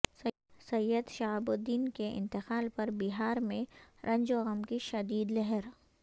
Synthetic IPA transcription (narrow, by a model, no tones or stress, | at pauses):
sɐ | sɐjːəd̪ʃaːbʊd̪ːiːnkeɪ̰̃nt̪ɪqaːlpɐɾbiɦaːɾmẽɾʔɐ̃ɲd͡ʒoɣɐmkiʃɐd̪iːd̪lɛɦɛɾ